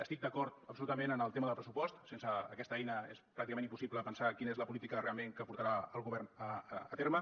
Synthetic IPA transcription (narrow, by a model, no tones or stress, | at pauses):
əst̪ik̚d̪əkɔɾt̪əpsulut̪əmenənəlˠt̪eməðəlˠpɾəsupɔst̪sensəːkɛst̪əɛjnəespɾakt̪iəmenimpusipləpənsakinəezləpulit̪ikəðəreəmeŋkəpuɾt̪əɾaəlˠɣuβɛrnəːt̪eɾmə